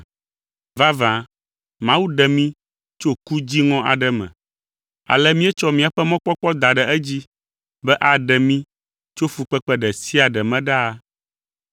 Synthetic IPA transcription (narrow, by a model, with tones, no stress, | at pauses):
va˦vã˨ | mã˦wu˦ɖɛ˨mĩ˦ | t͡ʃo˦ku˦d͡ʑi˦ŋɔ̃˦ʔa̰˨ɖɛ˦mɛ̰̃˨ | a̰˨lɛ˦mĩ˦ɛ˦t͡ʃɔ˦mĩ˦a˨ɸɛ˦mɔ̃˦k͡pɔ˦k͡pɔ˦d̪a˨ɖɛ˨ɛ˦d͡ʑi˦ | bɛ˦ʔa˨ɖɛ˨mĩ˦ | t͡ʃo˦fu˨k͡pɛ˦k͡pɛ˦ɖɛ˨si˦a˨ɖɛ˨mɛ̃˦ɖa˦˨